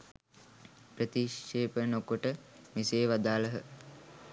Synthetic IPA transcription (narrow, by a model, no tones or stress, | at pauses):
prət̪iʃːeːpənokuʈə | miseːʋad̪aːləɦə